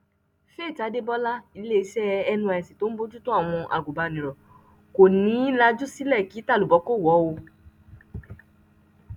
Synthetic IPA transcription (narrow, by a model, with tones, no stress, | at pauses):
fe˦˨ta˨˦de˦bɔ˦la˦i˧le˦˧sɛ˦˧ɛ˧nũ˧a˧ɛ˨si˨to˨˦n̩˦bo˦d͡ʒu˦to˦a˦˨w̃ɔ̃˧ʔa̰˨ɡu˨ba˨˧˨nĩ˨ɾɔ˨ | ko˨nĩ˨˦la˧d͡ʒu˦si˦lɛ˦˨ki˨˦ta˦˨lu˨bɔ˨˧˦ko˦˨wɔ˨˦wo˧